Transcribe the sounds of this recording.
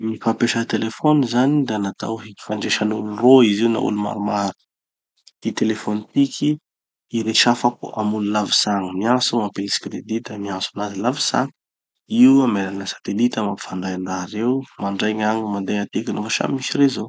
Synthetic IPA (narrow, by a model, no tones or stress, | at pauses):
mipapeʃət̪elefonizanid̪anat̪a̰wɦii̥faɳɖ͡ʐeʃənuluroiziwna̰ṵluma̰ɾumaɾu̥ | d̪̥it̪elefonit̪ikʲʰiː | ɾeʃafakṵa̰mululavisaŋəmiasuapeliskɾed̪it̪əmiasunazilavisa̰ŋ | iuamelanəsḁt̪elit̪amapi̥faɳɖ͡ʐajaɳɖ͡ʐaɾewmaɳɖ͡ʐajɲaŋimand̪eat̪ekʲənufaʃa̰mmiʃiɾezo